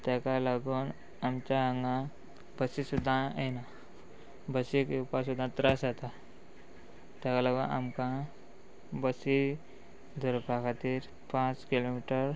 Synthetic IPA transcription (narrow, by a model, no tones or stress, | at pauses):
t̪jakalaɡuːn | amt͡ɕaɦəŋɡã | bəsisud̪ʱãena | bəsikupas̬ud̪ʱːãt̪ɾasat̪a | t̪jakalaɡəʔa̰mkã | bəsi | d̪ʱəɾpakʰat̪iːɾ | pãt͡skilomiʈəɾ